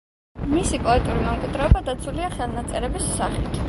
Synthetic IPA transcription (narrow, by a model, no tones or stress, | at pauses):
misipʼɔɛt̪ʼuɾimɛmkʼid̪ɾɛɔbad̪at̪sʰuliaχalnat̪sʼɛɾɛbisːaχɛt̪ʰ